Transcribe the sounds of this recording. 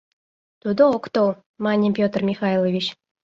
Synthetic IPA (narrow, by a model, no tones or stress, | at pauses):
t̪ud̪ookt̪olˠ | mɑnʲipʲot̪rmʲixɑjlˠovʲit͡ɕ